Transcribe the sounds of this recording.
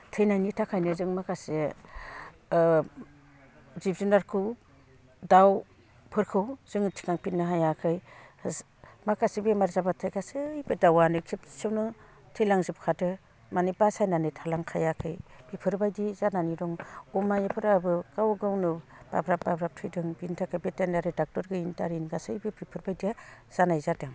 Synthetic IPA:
tʰɯjnajnitʰakʰajnɯzɯŋmakase | zip̚zunaɾkʰɯw | daw | pʰɯɾkʰɯwz̥ɯŋtʰi̥kaŋpinɯɦajakʰɯj | makasibemaɾzabatʰajkʰasɯjbɯdawanɯkʰip̚sewnɯ | tʰɯjlaŋzɯp̚kʰadɯ | manipasajnanɯtʰalaŋkʰajakʰɯjpʰipʰɯɾbajdizananiɾɔŋɔmajepʰɯɾabɯkawɡawnɯb̥a̰bɾap̚babɾap̚tʰɯjdɯŋbintʰakʰajbetenaɾɯdak̚tɔɾɡɯintaɾinɡasɯjbɯbʰipʰɯɾbajdija | z̥anajzadɯŋ

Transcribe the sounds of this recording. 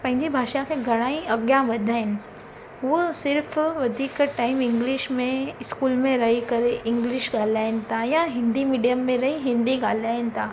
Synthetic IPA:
pɐ̃ɦɪ̃ɲd͡ʒibʱaːʃakeɡʱɐɽ̃aːĩʔɐɡjãbɐd̪ʱaːɪn | ʋosɪɾfʋɐd̪ʱiːkʈaːɪmɪ̃ŋɡlɪʃmẽɪskuːlmẽɾɐɦikɐɾeʔɪ̃ŋɡlɪʃɡaːlaːjnt̪ʰajaɦɪ̃nd̪imiːɖijəmːẽɾɐɦiɦɪ̃nd̪iɡaːlaːnt̪ʰaː

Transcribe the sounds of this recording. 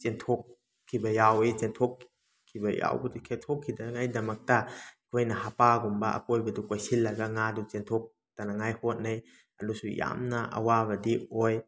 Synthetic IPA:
t͡ʃentʰokʰː | ibɐjawet͡ʃentʰokʰː | ibɐja̰wbɐdukʰetʰokʰːidɐnɐŋajdɐmɐk̚tɐi̥kʰojnɐhapaɡumbɐɐ̰pojbɐdukojsilːɐɡɐŋadut͡ʃentʰok̚ | tanɐŋajhot̚nɐj | ɐnusuja̰mnɐɐ̰wabɐdioj

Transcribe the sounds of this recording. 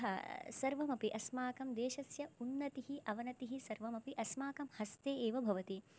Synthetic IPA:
ɦɐsɐɾʋɐmɐpiʔɐsmaːkɐmd̪eːʃɐsjɐunːɐt̪iɦiʔɐʋɐnɐt̪iɦisɐɾʋɐmɐpiʔɐsmaːkɐmhɐst̪eːeːʋɐbʱɐʋɐt̪i

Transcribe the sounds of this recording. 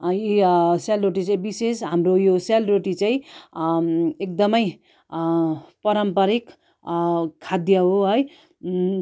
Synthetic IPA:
jiselɾoʈit͡sãĩbisesɦamɾojoselɾoʈit͡sãj̃ | ek̚d̪ʌmʌj | pʌɾʌmpʌɾik | kʰad̪jʌɦoɦʌj

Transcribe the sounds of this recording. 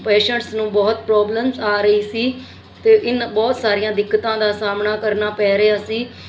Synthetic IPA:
pɛːʃə̃ɳʈsnũːbɔːt̪̚pɾɔːbləmsaːɾəiːsiː | t̪eːʔɪnbɔːt̪saːɾijãːd̪ɪkːət̪ãːd̪aːsaːmnaːkəɾnaːpɛːɾejaːsiː

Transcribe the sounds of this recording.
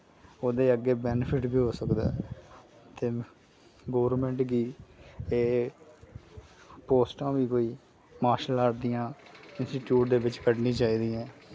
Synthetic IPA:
oːd̪eːəɡeːbɛːnpʰɪʈbiːɦoːsəkd̪a̰ː | t̪eː | ɡoːʋəɾmɛ̃ːɳʈɡiːeː | poːsʈãːʋiːkoːiː | maːɾʃəlaːɾd̪ijãːɪnsʈiːʈjuːʈ̚d̪eːʋɪt͡ʃkəʈnĩːt͡ʃaːiːd̪iːɛ̃ː

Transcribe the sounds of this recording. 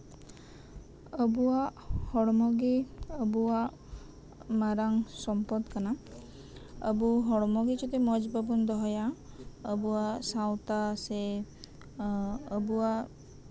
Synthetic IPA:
əbua | hɔɽmɔɡiəbua | maɾaŋsɔmpɔd̪kana | ə̰buɦɔɽɔmɔɡit͡ʃʰɔt̪emɔd͡ʒbabund̪ɔɦɔja | əbuasawt̪ase | əbua

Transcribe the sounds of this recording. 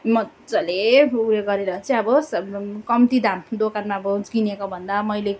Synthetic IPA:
mʌ | d͡zʌleuleɡʌɾeɾʌt͡sʌʌbʌskʌmt̪id̪amd̪okanmaʌbʌd͡zɡinekobʱʌnd̪amʌjle

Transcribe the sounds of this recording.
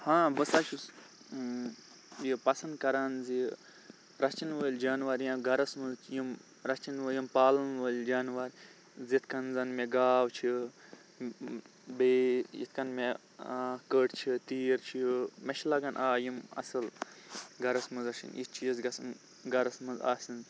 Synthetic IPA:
hãːbəsat͡ʃʰus | jipɐsɐnd̪kɐɾanzi | ɾɐt͡ʃinʋəlʲd͡ʒaːnʋaɾjãɡɐɾɐsmuzt͡ʃʰjim | ɾɐt͡ʃinʋəjimpaːlɐnʋəlʲd͡ʒaːnʋaɾ | zit̪ʰkɐnzɐnmeɡaːwt͡ʃʰi | bejḭt̪kɐnme | akəʈt͡ʃʰit̪iːɾt͡ʃʰiimɐʃlɐɡɐnʔaːjimɐ̰sɐl | ɡɐɾɐsmɨzɐʃḭnjit͡ʃʰijɐzɡɐsɐn | ɡɐɾɐsmɐnza̰ːsinz

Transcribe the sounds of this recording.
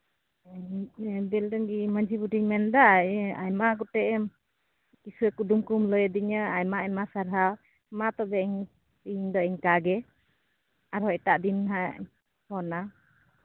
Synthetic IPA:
bɛldɔŋɡiməɲd͡ʒʱibuʈiɲmɛnd̪aajmaɡɔʈɛʔm | kisuɛkud̪umkumlɔjɛd̪iɲəajmaɛjmasaɾɦaw | mat̪ɔbɛiɲ | iɲd̪ɔɛɲkaɡɛ | aɾhɔt̪aʔd̪inɦaʔ | hɔna

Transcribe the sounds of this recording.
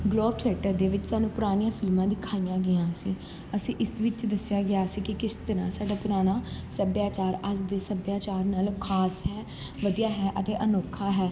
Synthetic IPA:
ɡloːb̚t̪ʰɪɛːʈəɾd̪eːʋɪt͡ʃsaːnũːpʊɾaːñijãːpʰɪlmãːd̪iːkʰaːijãːɡɪjãːəsĩː | əsĩːʔɪsʋɪt͡ʃd̪əsɪjaːɡɪjaːəsĩːkɪkɪst̪əɾãːsaːɖaːpʊɾaːɽ̃aːsəbjaːt͡ʃaːɾəsd̪eːsəbjaːt͡ʃaːɾnaːlkʰaːsɦɛː | ʋəd̪ijaːɦɛːʔət̪eːʔənoːkʰːaːɦɛː

